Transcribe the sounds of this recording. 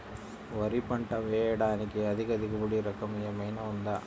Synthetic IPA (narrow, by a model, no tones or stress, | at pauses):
ʋɐɾipɐɳʈɐʋeːjɐɽaːnikeɐd̪ikɐd̪iɡɐbuɽiɾɐkːɐmɐjɐmɐjnɐund̪ɐ